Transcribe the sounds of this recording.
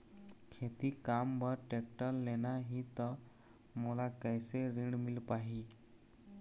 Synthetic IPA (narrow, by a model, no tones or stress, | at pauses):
kʰet̪iːkambəɾʈek̚ʈəlːenaɦiːt̪ə | mulakajseɾiɳmilpaɦi